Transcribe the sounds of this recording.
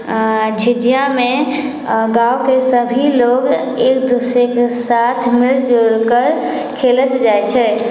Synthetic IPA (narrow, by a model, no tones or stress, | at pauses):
d͡ʒʱɪdijamẽ | ɡaːokesəbʱiloːɡ | eːkd̪uːsɾekesaːt̪ʰmɪld͡ʒolkəɾ | kʰeːlət̪d͡ʒaːet͡ʃʰɛː